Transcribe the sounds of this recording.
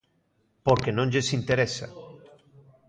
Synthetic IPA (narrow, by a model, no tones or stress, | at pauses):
poɾkenõnʎesint̪eɾesa̰